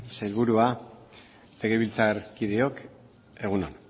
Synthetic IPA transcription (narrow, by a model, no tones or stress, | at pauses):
sejlβuɾua | le̞ɣe̞βilt͡saɾkiðeo̞k | e̞ɣ̞uno̰n